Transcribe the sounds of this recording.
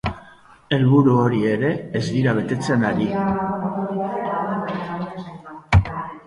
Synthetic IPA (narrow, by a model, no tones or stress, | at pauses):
elβuɾuoɾieɾeːzðiɾaβ̞et̪et͡senaɾi